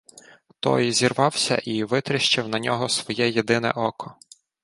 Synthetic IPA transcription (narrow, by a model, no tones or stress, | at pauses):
t̪ɔ̰jzʲirʋɑwsʲɐ̰ʔiʋɪt̪ɾɪʃt͡ʃɪwnɐnʲɔɦɔsʋɔjɛjed̪ɪnɛ̰ʔɔkɔ